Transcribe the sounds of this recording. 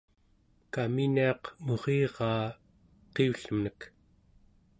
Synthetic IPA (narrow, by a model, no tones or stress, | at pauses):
kaminiɑqmo̞ʁeːʁɑː | qeuɬəmnək